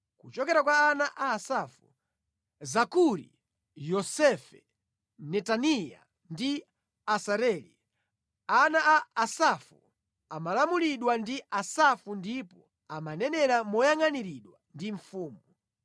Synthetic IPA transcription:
kut͡ʃɔkɛɾakwaːnaʔaːsafu | zakuɾḭ | jɔsɛfɛ | nɛtanija̰ | ndi | asaɾɛːlḭ | anaʔaːsafṵ | amalamuliɗwandiʔasafundipɔ | amanɛnɛɾamɔjaŋaniɾiɗwandiɱfuːmu

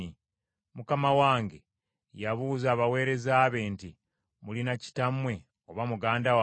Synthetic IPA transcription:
i | mukamawaːŋɡe̞ | jaβuːzaːβawe̞ːɾe̞zaːβe̞nti | mulinaci̥tamwe̞ | oβamuɡaːndawa

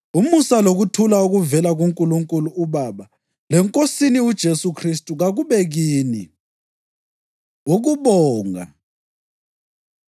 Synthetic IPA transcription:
umusaloɣutʰulauɣuvɛlaɣuŋkʼuluŋkʼuluuβaːβa | lɛŋkʼosiniud̥ʒ̥ʱesukʰristʼuɣaɣuβɛɣiːni | uɣuβɔːŋa̰

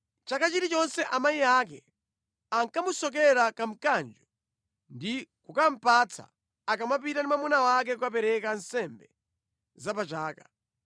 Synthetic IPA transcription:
t͡ʃakat͡ʃitit͡ʃɔnsɛʔamajiaːk̬ɛ | aŋkamusɔk̬ɛɾakam̩kand͡ʒɔ | ndikukam̩pat͡sʰa̰ː | kamap̬itandimamunawak̬ɛkukap̬ɛɾɛkansɛmbɛ | zapat͡ʃaːkḁ

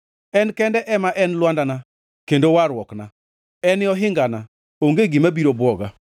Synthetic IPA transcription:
ɛnkɛndɛʔɛmaʔɛnlwandana | kendowaɾwɔkna | ɛnɪɔɦɪŋɡana | oŋɡeɡimabiɾobwɔɡa

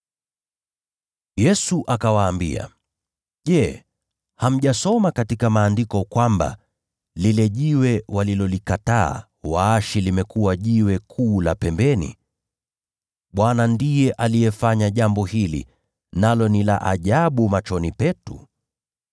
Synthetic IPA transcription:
jɛsuʔakawaːmbḭa̰ | ʄɛ | ham̩ʄasɔmakatikamaːndikɔkwamba̰ | lilɛʄiwɛwalilɔlikata̰ː | waːʃilimɛkuwaʄiwɛkʰuːlapɛmbɛnḭ | ɓwanandijɛʔalijɛfaɲaʄambɔhilḭ | nalɔnila̰ʔaʄaɓumat͡ʃɔnipɛtu

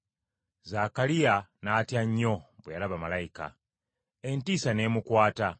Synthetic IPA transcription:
zakalijanaːtjaɲːobwejalaβamalaika̰ | entisane̞ːmukwaːta

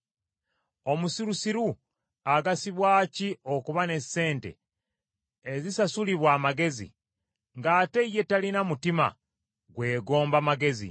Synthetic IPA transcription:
o̞musiɾusiɾu | aɡasiβwaːcio̞kuβane̞se̞ːnte̞̰ | zisasuliβwaːmaɡe̞zḭ | ŋɡaːte̞ije̞talinamutima̰ | ɡwe̞ːɡo̞ːmbamaɡe̞zḭ

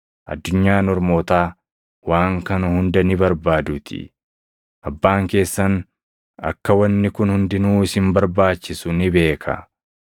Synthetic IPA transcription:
ʔɐ̰d̪ːʊɲːaːnɔɾmo̞ːt̪aː | waːŋkɐnɐhʊnd̪ɐnɪbɐɾbaːd̪ʊt̪ʰɪ̰ | ʔɐbːaːŋke̞ːsːɐn | ɐ̰kːɐwɐnːɪkʊnhʊnd̪ɪnuːɪsɪmbɐɾbaːt͡ʃːɪsʊnɪbe̞ːkʰɐ̰

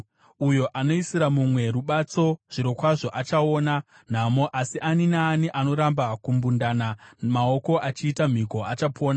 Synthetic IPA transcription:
ujo̞ʔano̞isiɾamumwe̞ɾuɓat͡so̞ʐ̥iɾo̞kwaʐo̞ʔat͡ʃaoːna | n̤amo̞ʔasiʔaninaːniʔano̞ɾambakumbundanamao̞ko̞ʔat͡ʃiːtam̤iko̞at͡ʃapʰo̞ːna

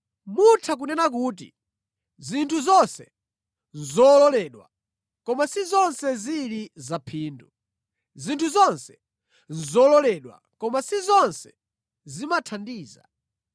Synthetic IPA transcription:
mutʰak̬unɛnak̬uːt̬ḭ | zintʰuzɔnsɛ | nzɔlɔlɛːɗwa̰ | kɔmasizɔnsɛzilizapʰiːndu | zintʰuzɔnsɛ̥ | n̩zɔlɔlɛɗwa̰ | kɔmasizɔnsɛ̥ | zimatʰandiːza̰

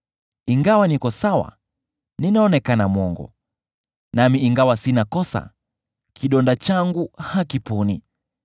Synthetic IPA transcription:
iŋɡawanikɔsawa̰ | ninaɔnɛkanamwɔŋɡɔ̰ | namiiŋɡawasinakɔsa̰ | kʰiɗɔndat͡ʃaŋɡuhakipuni

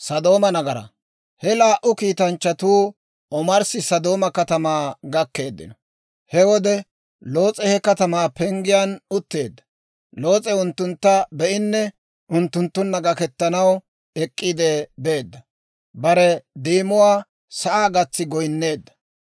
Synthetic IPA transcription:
sɐd̪o̞ːmɐnɐɡɐɾɐ̰ | hɛlaːʔʊkiːt̪ɐnt͡ʃːɐt̪uː | ɔmɐɾsɪsɐd̪o̞ːmɐkɐt̪ɐmaːɡɐkːe̞ːd̪ːɪ̰nɔ | hɛwɔd̪ɛ | lo̞ːt͡sʼɛhɛkɐt̪ɐmaːpɛŋɡɪjaːnʊt̪ːe̞ːd̪ːɐ̥ | lo̞ːt͡sʼɛʊnt̪ːʊnt̪ːɐbɛʔɪnːɛ | ʔʊnt̪ːʊnt̪ːʊnːɐɡɐkɛt̪ːɐnɐw | ɛkʼːɪd̪eːbe̞ːd̪ːɐ | bɐɾɛd̪iːmʊwaː | sɐʔaːɡɐt͡sːɪɡɔjnːe̞ːd̪ːɐ̥

